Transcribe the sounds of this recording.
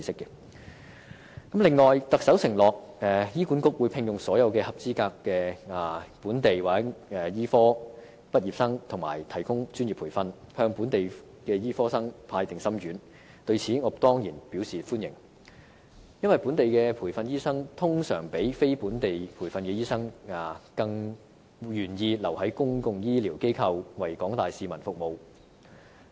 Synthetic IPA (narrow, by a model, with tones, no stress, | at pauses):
iː˨˧sɪ˥kːɛ˧ | kɐ˨˥mlɪ˨ŋːɔː˨jt̪ɐ˨k̚sɐ˨˥wsɪ˨˩ŋlɔː˨k̚ɛ˨jiː˥kuː˨˥nkʊ˥k̚wuː˨˧jpʰɪ˧ŋjʊ˨ŋsɔː˨˥jɐ˨˧wkɛː˧hɐ˨p̚t͡siː˥kaː˧kːɛː˧aː˨puː˨˥nt̪e˨jwaː˨˥ɛ˨jiː˥fɔː˥ | pɐ˥t̚jiː˨˩p̚sɐ˥ŋt̪ʰʊ˨˩ŋma̰ː˨˩jt̪ʰɐ˨˩jkʊ˥ŋt͡ʃyː˥nji˨˩pʰuː˨˩fɐ˧nhœː˧ŋpuː˨˥nt̪e˨j | kɛː˧jiː˥fɔː˥sɐ˥ŋpʰaː˧jt̪ɪ˨˩ŋsɐ˥mjyː˨˥n | t̪ɵ˧ɥt͡sʰiː˨˥ŋɔː˨˧˥t̪ɔː˥ŋjiː˨˩npi˨˥wsiː˨fuː˥njɪ̰˨˩ŋ | jɐ˥nwɐ˨jpuː˨˥nt̪e˨jkɛː˧pʰuː˨˩jfɐ˧njiː˥sɐ˥ŋt̪ʰʊ˥ŋsœː˨˩ŋpe˨˥jfe˥jpuː˨˥nt̪e˨jpʰuː˨˩jfɐ˧nkɛː˧jiː˥sɐ˥ŋaː˨˩kɐ˧ŋ | jyː˨˩njiː˧lɐ˨˩whɐ˨˥jkʊ˥ŋkʊ˧ŋjiː˥liː˨˩wke˥jkʰɐ˧wwɐ˨˩jkɔː˨˥ŋt̪aː˨jsiː˨˧mɐ˨˩nfʊ˨k̚mo˨˧w